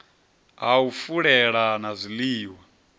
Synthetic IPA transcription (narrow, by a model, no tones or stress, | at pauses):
aufuɺɛɺanazʷiliːwa